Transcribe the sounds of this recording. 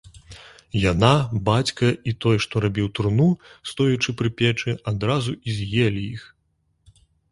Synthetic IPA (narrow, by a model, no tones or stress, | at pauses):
janabat͡sʲkɐit̪ɔjʂt̪ɔɾabʲiwt̪ɾnust̪ɔjut͡ʂɨpɾɨpʲɛt͡ʂɨad̪ɾazuizʲjɛlʲiix